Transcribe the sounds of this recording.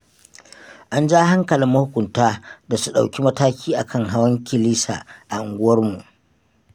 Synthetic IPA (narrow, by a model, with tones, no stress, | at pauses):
ʔa˦nd͡ʒaː˦ɦa˦ŋkɐ˨lɪ˨mmɐ˦hʊ˦kʷʊ˨mtaː˦da˨su˦ɗa̰˨wkʲi˦mɐ˦taː˦kʲʰiː˦ʔa˨kʰɐ˦˨ŋɦa˦wɐ˦ŋkʲɪ˦˨liː˦sa̰ː˨ʔa˨ʔɪ˨ŋɡʷʊ˦wɐ˦rmu˨ʔ